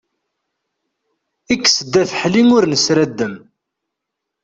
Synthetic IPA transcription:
ikːsəd̪ːæθħliŋʊɾnəsɾæd̪ːəm

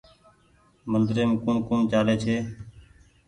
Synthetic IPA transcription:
mənd̪ɾeːmːkũːnkuːnt͡ʃaːleːt͡ʃʰeː

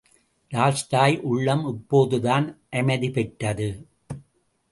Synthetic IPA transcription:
ɾaːlsʈaːjʔʊɭːɐmɪpːoːðɯðaːnʔɐmɐðipɛʈːɐðɯ

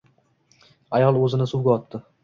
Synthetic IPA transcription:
ajɒlˠɵzɪnɪsuwɡʲaɒt̪ːɪ

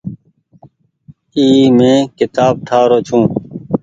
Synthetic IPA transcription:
iːmẽːkɪt̪aːb̚ʈʰaːɾoːt͡ʃʰũː

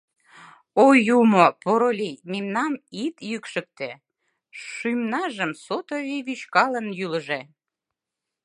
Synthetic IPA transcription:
ojumopoɾolʲimemnɑmit̪jykʃə̆k̚t̪e | ʃymnɑʒəmsot̪oviβyt͡ɕkɑlənjyləʒe

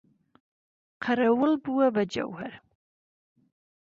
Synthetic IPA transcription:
qʰaɾawəlbuwabad͡ʒa̰whaɾ

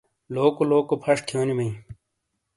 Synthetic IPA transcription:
loːkoloːkopʰɐʂt̪ʰjoːnimɐĩ

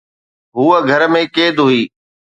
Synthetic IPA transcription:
ɦuːəɡʱəɾəmẽkeːd̪ɦʊiː

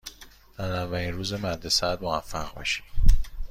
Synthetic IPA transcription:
d̪æzævːæliːnɾuːze̞mæɾd̪esæd̪movæ̰fːæɣʁbɒ̰ʃi̥d̪̥

